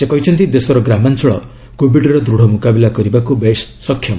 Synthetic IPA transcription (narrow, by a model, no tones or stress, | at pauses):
sekɔɦit͡ʃʰɔnt̪id̪esɔɾɔɡɾamant͡ʃɔɭɔ̰ | kobiɖɾɔd̪ɾuɽ̤ʱɔmukabilakɔɾibakubessɔkʰːjɔma